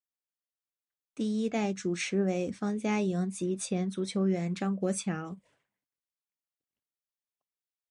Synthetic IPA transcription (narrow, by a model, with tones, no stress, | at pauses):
t̪i˥˩i˥t̪a˥˩ɪʈ͡ʂu˨˩ʈ͡ʂʰɻ̩˧˥we˧˥ɪfɑ˥ŋt͡ɕja˥ji˧˥ŋt͡ɕi˧˥t͡ɕʰjɛ˧˥nt͡su˧˥t͡ɕʰjo˧˥ʊɥɛ˧˥nʈ͡ʂɑ˥ŋkwɔ˧˥t͡ɕʰjɑ˧˥ʊ